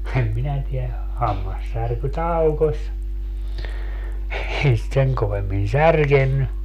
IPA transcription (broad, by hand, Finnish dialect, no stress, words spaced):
em minæ tiæ hɑmːɑsːærky tɑukosʲ ei sit seŋ koʋemːin særkenːy